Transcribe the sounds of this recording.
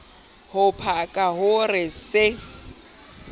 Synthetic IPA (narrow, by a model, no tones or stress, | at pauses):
hʊpʰakʼahʊrɪsɪ